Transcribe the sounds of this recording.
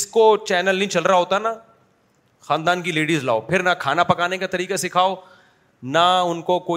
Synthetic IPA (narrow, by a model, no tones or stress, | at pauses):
ɪskot͡ʃɛːnəlnɐɦĩt͡ʃɐlɾaɦoːt̪aɦɛna | xaːnd̪aːnkileːɖizla̰ːopʰɪɾnakʰaːnapɐkaːnekat̪ɐɾiːkasɪkʰaːo | naʊnkokoː